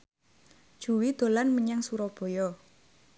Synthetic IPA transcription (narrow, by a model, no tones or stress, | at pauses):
ʒ̥uwid̪̥o̤lanməɲaŋsuɾɔb̥ɔ̤jɔ